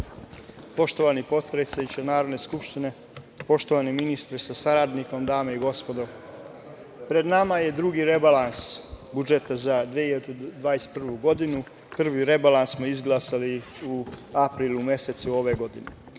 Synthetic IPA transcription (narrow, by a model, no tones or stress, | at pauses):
po̞ʃt̪o̞ʋanipo̞t̪pɾet̪sajut͡ɕenaːɾod̪ne̞skupʃt̪ine̞ | po̞ʃt̪o̞ʋaniminist̪ɾesasaɾad̪niko̞md̪aːmeiɡo̞spo̞d̪o̞m | pɾe̞d̪namaje̞d̪ɾuɡiɾe̞balansbud͡ʒet̪azad̪ʋeiet̪od̪ʋaːjest̪pr̩ʋuɡo̞d̪inu | pr̩ʋiɾe̞balˠanssmoizɡlˠaːsali | uapɾilˠume̞se̞t̪suo̞ʋe̞ɡo̞d̪ine